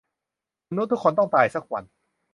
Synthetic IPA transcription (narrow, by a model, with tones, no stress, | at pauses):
ma˧nu˦˥t̪ʰːu˥kʰːoː˧nt̪ɔ˥˩ŋt̪aː˧˩jsa˦˥k̚wa̰˧n